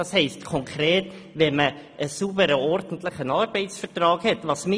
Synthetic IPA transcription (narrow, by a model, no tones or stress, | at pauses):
ɑːshɛɪstkʰɔŋkʰɾeːt | ʋɛnmə | ʔəsubəɾəɔɾdn̩tlɪχənɑːɾb̥ɛɪtsfəɾtɾɑːɡ̥hɛtvɑːsmɪ